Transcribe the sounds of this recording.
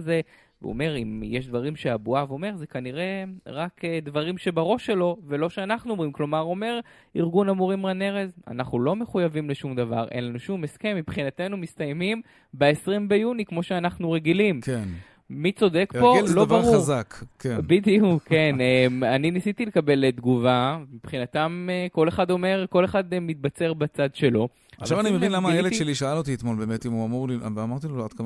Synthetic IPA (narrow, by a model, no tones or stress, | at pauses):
ze | v̰o̰me̞ʁimjeʃd̪vaʁimʃeabuavo̞me̞ʁzekaniʁe̞ʁakd̪vaʁimʃe̞baʁo̞ʃe̞lo̞velo̞ʃeanaχnuomʁimklo̞maʁo̞me̞ʁ | iʁɡunamuʁimlane̞ʁe̞za̰naχnulo̞me̞χujavimleʃumd̪ava̰ʁʔḛnlanuʃumeske̞mːipχinat̪e̞numist̪ajmim | beesʁimbe̞junikmo̞ʃeanaχnuʁe̞ɡilimkeː | it͡so̞d̪e̞kbo̞zloavaʁʁuazakkenbid̪iukʰːenemaninisit̪ilekabe̞led̪ɡuvamipχinat̪ameko̞leχad̪o̞me̞ʁko̞leχad̪mit̪̚bat͡se̞ʁbat͡sad̪ʃe̞lo̞ | avʃavanimevinlamajeleʃeliʃaalot̪iːt̪molbeːmet̪imuamuʁlivamaʁt̪iload̥̪kama